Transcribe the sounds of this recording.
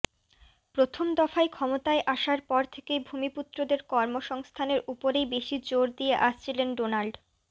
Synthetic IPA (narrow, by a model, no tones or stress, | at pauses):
pɾot̪ʰomd̪ɔfaekʰɔmot̪aeʔaʃaɾpɔɾt̪ʰekejbʱumiput̪ːɾod̪eɾkɔɾmoʃɔŋst̪ʰaneɾupoɾejbeʃid͡ʑoɾd̪ijeʔaʃt͡ɕʰilenɖonalɖ